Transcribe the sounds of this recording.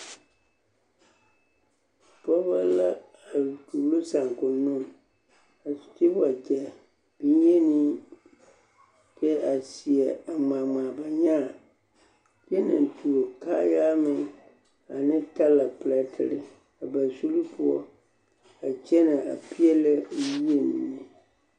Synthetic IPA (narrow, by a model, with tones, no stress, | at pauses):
pɔ˦ba˦la˦ | a˨du˨lo˦sa˨ŋ˨kʊ˨nʊ˦˨ | a˨ti˦ba˨d͡ʒɛ˨ | b̥i˦n˦je˦ni˦ | kɛ˦a˨si˨ɛ˨a˨maː˨maː˨ba˨ɲa˦˨ | pi˦ɛ˦na̰˨n˨tu˨o˨kaː˦jaː˦mɪ˨ŋ | a˨nɪ˦ta˦la˨pla˨tʰɪ̰˦ɾɪ˨ | a˨ba˨su˦lu˦pʰu˦ɔ̰˦ | a˨t͡ʃɛ˦na˨a̰˨pi˦ɛ˦la˦˨ji˦e˦nḭ˨nːɪ˨